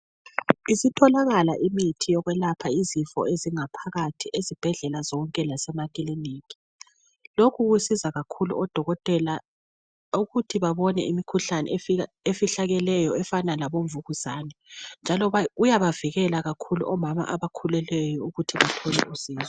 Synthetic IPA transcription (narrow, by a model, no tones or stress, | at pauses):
isitʰɔlaɣalaʔimitʰijɔɣwɛlapʰaizifɔ̰eziŋapʰaɣatʰiʔezib̥ʱɛɮɛlazɔŋkʼɛlasɛmakʼiliniːki̥ | lokʰuɣwisizaɣakʰulṵʔɔd̥ʱɔɣɔtʼɛla | uɣutʰiβaβɔnɛ̰imikʰuɬanɛ̰fia | efiɬaɣɛlɛjɔɛfanalaβoɱvuɣuz̥aːnɛnd͡ʒʱalɔujaβaviɣɛlaɣakʰulṵʔɔmama̰ʔaβakʰulɛlɛjɔuɣutʰiβatʰɔlɛ̰ʔusiːzɔ